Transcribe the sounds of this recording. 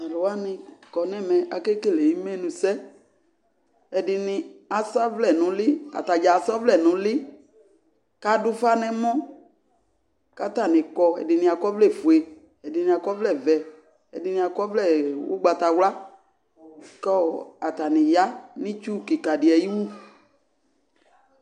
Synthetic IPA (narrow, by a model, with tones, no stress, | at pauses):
a˨lʊ˨wa˦nɪ̃˧kɔ˨nɛ˦˨mɛ̃˨a˨ke˦ke˦˨le˨ji˦mɛ˦nũ˧sɛ˦ | ɛ˨dɪ˨nɪ˧a˨sa˦vlɛ˦˨nʊ̃˨lɪ˦a̰˨ta˨d͡ʒa˨sɔ˦vlɛ˦˨nʊ̃˨lɪ˦ | ka˦dʊ˦fa˦nɛ˦mɔ̃˦ | ka˦ta˦˨nɪ̃˨kɔ˧ɛ̰˨dɪ˨nɪ̃˧a˨kɔ˦vlɛ˦˨fu˨e˨ | ɛ˨dɪ˨nĩ˨a˨kɔ˦vlɛ˦˨vɛ˨ | ɛ̰˨dɪ˨nɪ̃˧a˨kɔ˦vlɛ˦˨wʊ̰˦ɡ͡ba˨ta˨wla˦ | kɔ˦˨a˨t̪a˨nɪ̃˨ja˦nɪ̃˦t͡ʃu˦ki˨ka˨dɪ˨ɛ˨ji˦wu˦